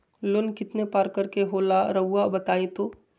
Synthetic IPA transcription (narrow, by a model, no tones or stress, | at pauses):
lʊnkɪt̪nepaːɾkəɾkeɦoːlaɾɐɦʊabɐt̪aːĩt̪oː